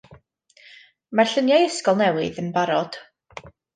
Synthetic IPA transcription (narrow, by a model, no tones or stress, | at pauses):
marɬənjajəskɔlˠnɛwɪðənbaɾɔd̥